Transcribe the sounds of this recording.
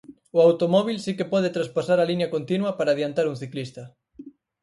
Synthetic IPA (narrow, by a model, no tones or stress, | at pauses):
ʊawt̪omɔβ̞ilsikepɔð̞et̪ɾaspasaɾaliɲɐkont̪inwɐpaɾaːðjant̪aɾuŋθiklist̪ɐ